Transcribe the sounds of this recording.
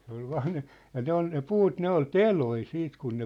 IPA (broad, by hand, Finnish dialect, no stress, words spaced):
se ol ʋɑːn̆ ne jɑ ne ol ne puːt ne ol teloi siːt kun ne